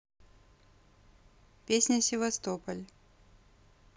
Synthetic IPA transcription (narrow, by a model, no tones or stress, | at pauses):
pʲesʲnʲəsʲɪvɐst̪opəlʲ